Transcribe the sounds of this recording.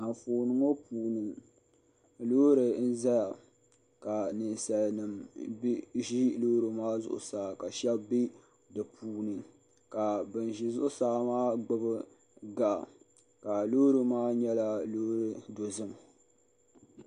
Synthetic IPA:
a˨foː˨nɨ˨ŋo˦puː˨nɨ˨ | lo˦ɾɨ˨n̩˦za˦ja˨ | ka˨nɨ˨nsa˨lnɨ˨mbʒi˦lo˦ɾɨ˨maː˦zʊ̰˨ʔʊ̰˨saː˨˦ka˨ʃɛ˦bbi˦ | dɨ˨pʰuː˨nɨ˨ | ka˨bɨ˨n˨ʒi˨zʊ˦ʔʊ˦saː˦maː˦ɡ͡bʊ˦bɨ˦ | ɡa˨ | ka˨lo˦ɾɨ˨maː˦ɲɛ˦la˦lo˦ɾɨ˨do˨zɨ˦m

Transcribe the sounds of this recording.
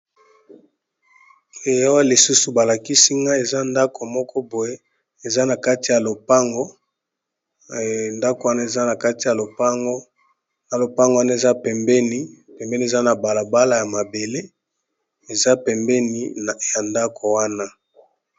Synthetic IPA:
e˨ja˦wa˦li˨su˦su˨ba˨la˨ki˦si˦ŋɡa˦e˨za˦nda˦kʰo˨mɔ˦kʰɔ˦bo˨je˦ | e˨za˦na˨ka˦ti˨ja˨lo˨pa˦ŋɡo˦ | nda˦ko˨wa˦na˦e˨za˦na˨ka˦ti˨ja˨lo˨pa˦ŋɡo˦ | na˨lo˨pa˦ŋɡo˨wa˦na˦e˨za˦pɛ˨mbɛ˦ni˦pɛ˨mbɛ˦ni˨e˨za˦na˨ba˨la˨ba˦la˨ja˨ma˨be˨le˦ | e˨za˦pɛ˨mbɛ˦ni˨˦˨ja˨nda˦kʰo˨wa˦na˦

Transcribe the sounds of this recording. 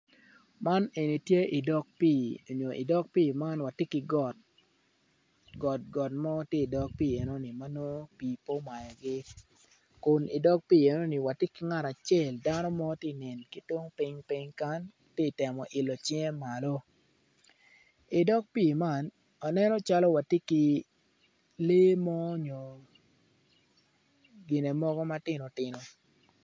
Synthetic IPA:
ma˦ne˨ni˨tje˦ʔi˨dɔ˦k̚piː˦˨o˨ɲo˨ʔḭ˨dɔ˦k̚piː˦ma˦nwa˨ti˦ki˨˦ɡɔ˦˨t̚ | ɡɔ˨t̚ɡɔ˨tmɔ˦tje˦i˨dɔ˦k̚piː˦˨e˨no˦ni˨ma˦no˦piː˨po˦ma˨jɔ˨ɡɪ˦ | kʊ˨ni˨dɔ˦k̚piː˦˨e˨no˦ni˨wa˨ti˦ki˨ŋa˦ɾa˨t͡ʃe˦˨lda˦nɔ˦mɔ˦ti˦˨nɛ˨nki˦two˦ŋpɪ˦ŋpi˦ɲka˦n | ti˦˨tɛ˨mɔ˨ʔɪ˨lɔ˨t͡ʃjɛ˦ma˨lo˦ | i˨dɔ˦k̚pi˦˨ma˦˨n | a˨nɛ˦nɔ˦t͡ʃa˦lɔ˦wa˨ti˦ki˦ | le˦mɔ˦ɲo˨ | ɡɪ˨ne˨mɔ˦ɡɔ˦ma˦tɪ˦no˨tɪ˦no˨

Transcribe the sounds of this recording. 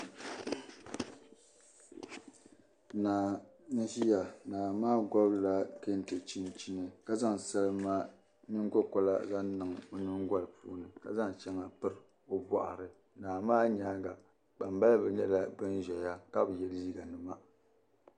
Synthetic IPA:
naː˨nɨ˦hi˦ja˨naː˨maː˦ɡɔ˦bla˦ke˦n˨tɨ˨t͡ʃi˦n˦t͡ʃi˦nɨ˨ka˦za˦ŋ˨sa˦lɨ˦ma˦ | nɨ˦ŋɡɔ˦kɔ˦la̰˦za˦nnɨ˨ŋ˨o˨nɨ˦ŋɡʷa˦lpṵː˦nɨ˨ka̰˦za˦ŋt͡ʃɛ˦ŋa˨pɨ˦ɾɨ˨ | o˦ba̰˨ʔa̰˨ɾɨ˨ | naː˨maː˦ɲaː˦ɡa˨ | k͡pa˨m˦ba˦lbɛ˨ɲɛ˦la˦bɨ˦nʒɛ˨ja˦ka˦bɨ˨jɛ˨lziː˦ɡa˨nɨ˨ma˦

